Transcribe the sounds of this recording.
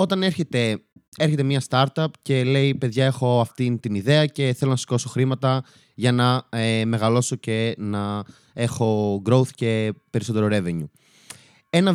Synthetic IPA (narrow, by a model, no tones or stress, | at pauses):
o̞t̪ɐneɾçe̞t̪e̞eɾçe̞t̪e̞mɲɐst̪ɐɾt̪ɐpce̞le̞ipe̞ðʝɐe̞xo̞ɐft̪int̪iniðe̞ɐce̞θe̞lonɐsi̥ko̞so̞xɾimɐt̪ɐ | ʝɐnɐeme̞ɣɐlo̞so̞ce̞nɐ | e̞xo̞ɡɾo̞wθce̞pe̞ɾiso̞t̪e̞ɾoɾe̞veɲu | e̞nɐ